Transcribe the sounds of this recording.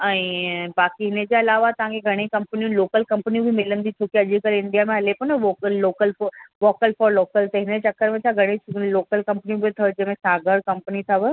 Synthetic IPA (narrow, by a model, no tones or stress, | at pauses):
ɛ̃ːbaːkiɦɪnəd͡ʑeɐlaːʋat̪ɐʋɦãŋkʰeɡʱɐɽ̃ekɐ̃mpnijũloːkəlkɐ̃mpnijũbʱimɪlənd̪it͡ɕʰoːkiɐʄʱikəɾɪ̃ɳɖijamẽɦɐlepʊnəʋoːəloːkəlʋoːkəlfɔːɾloːkəlt̪ɐɦɪnət͡ɕɐkːəɾmẽt̪ʰaɡʱɐɽ̃eloːkəlkɐ̃mpnijũbʱit̪ʰɐʋd͡ʑɐ̃ɦmẽsaːɡəɽkɐ̃mpənit̪ʰɐʋə